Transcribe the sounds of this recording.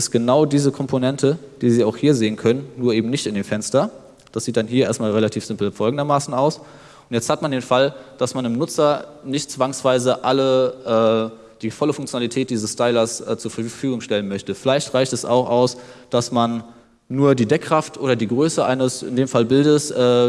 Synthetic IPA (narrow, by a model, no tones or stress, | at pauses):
ɪstɡ̥ənaʊdiːzəkʰɔmpʰonɛntʰəd̥iːziːaʊxhiːɐzeːənkʰœnənːuːɐʔeːbm̩nɪçtɪndeːmfɛnstɐ | d̥asz̥iːt̚d̥anɦiːɐʔeːɐstmaːlʁelatʰiːfz̥ɪmpl̩fɔlɡŋ̩dɐmaːsn̩aʊs | ʊntjɛt͡sthatmandeːnfald̥asmanɪmnʊt͡sɐnɪçtt͡sv̥aŋsv̥aɪzəʔaləʔɛː | d̥iːfɔləfʊŋkt͡sjonalitʰɛːt̚d̥iːzəstaɪlɐsʔɛːt͡suːɐfɐfyːɡʊŋʃtɛlənmœçtəfɪlaɪçtʁ̥aɪçtɛsa̰ʊxʔaʊsd̥asmanː | uːɐdiːdɛkʁ̥aftʔoːɾɐdiːɡʁøːsəʔa̰ɪnəsɪ̰ndeːmfalbɪldəsʔɛː